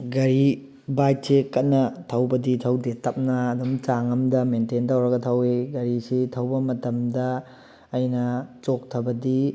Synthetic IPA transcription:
ɡɐɾi | bajt̚sekɐt̚nɐtʰɐwbɐditʰɐwdetɐp̚nɐːdumt͡ʃaŋɐmdɐmententɐwɾɐɡɐtʰɐweɡɐɾisitʰɐwbɐmɐtɐmdɐː | jnɐt͡ʃok̚tʰɐbɐdi

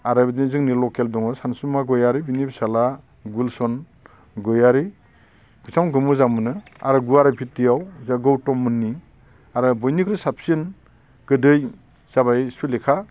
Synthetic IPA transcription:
aɾabidinizɯŋnilɔkeldɔŋɯsansumaɡɯjaɾibinibisala | ɡulsɔn | ɡɯjaɾi | b̥isamɡɯmɯzamɯnɯa̰ɾɯɡuaɾapʰit̚dijawzaɡɯwtɔmːɯnːi | aɾɯbɔjnikɾɯsapsiɯn | ɡ̥ɯdɯj | z̥abajspilekʰa

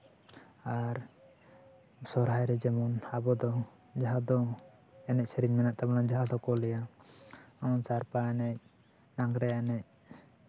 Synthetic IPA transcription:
aɾ | sɔɾɦajɾɛd͡ʒɛmɔnabɔd̪ɔ | d͡ʒaɦad̪ɔ | ɛnɛc̚sɛɾiɲmɛnaʔt̪abɔnad͡ʒaɦad̪ɔkɔlɛja | amɔnsaɾpaɛnɛc̚ | naŋɡɾɛɛnɛc̚

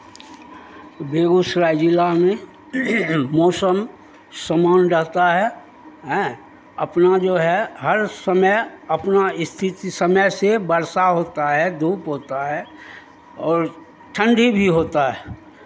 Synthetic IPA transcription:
beːɡusɾaːd͡ʒilamẽ | mɔːsəm | səmaːnɾəɦt̪aɦɛ | ɦɛ̃ | əpnad͡ʒoːɦɛɦəɾsəməjəpnaɪst̪ʰɪt̪isəməjsebəɾsaɦoːt̪aɦɛd̪ʱuːpɦoːt̪aɦɛ | ɔːɾ | ʈʰə̃ɳɖʱibʱiɦoːt̪aɦɛː

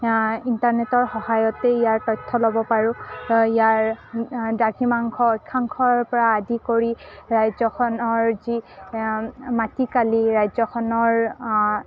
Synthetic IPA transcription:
intaɹnetɔɹxɔhajɔteijaɹtɔjtʰːɔlobɔpaɹʊkijaɹ | daɡimaŋkʰɔɔjkʰːaŋkʰɔɹpɔɹaːdikoɹiɹajzɔkɔnɔɹzi | matikaliɹajzɔkʰɔnɔɹ

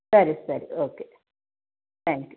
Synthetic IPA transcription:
ɛɾisɛɾḭoːke | t̪æ̃ŋkj

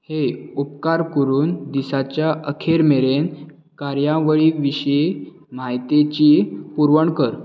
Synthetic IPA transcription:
heupkaɾkəɾuːnd̪isat͡ɕjaʔəkʰeɾmeɾen | kaɾjãʋəɭiʋiɕi | majt̪et͡ɕipuɾʋəɳkəɾ

